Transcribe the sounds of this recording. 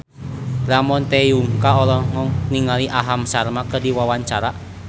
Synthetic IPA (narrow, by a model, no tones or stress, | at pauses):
lamɔnt̪ejuŋkaɔlɔŋɔŋniŋaliʔaɦamsarmakədiwawaɲt͡ʃaɾa